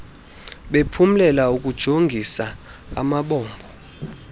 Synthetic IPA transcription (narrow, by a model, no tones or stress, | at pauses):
ɓepʰum̩lɛlaukʼud̥ʒ̥ʱoŋɡʱisaa̰maɓɔːmbʱɔ